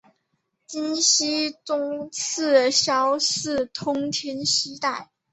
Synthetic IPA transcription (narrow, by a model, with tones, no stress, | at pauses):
t͡ɕi˥nɕi˥t͡sʊ˥ŋt͡sʰɹ̩˥˩ɕjɑ˥ʊʂɹ̩˥˩t̪ʰʊ˥ŋt̪ʰɛ˥nɕi˥t̪a˥˩ɪ